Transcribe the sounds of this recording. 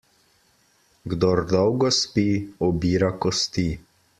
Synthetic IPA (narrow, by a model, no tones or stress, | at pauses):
ɡd̪ɔɾd̪ɔwɡɔspiɔbiːɾakɔst̪i